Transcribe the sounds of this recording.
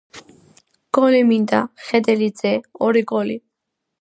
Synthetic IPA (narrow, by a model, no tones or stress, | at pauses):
ɡ̥ɔlimind̪a̰χɛd̪ɛlid̪zɛɔɾiɡɔli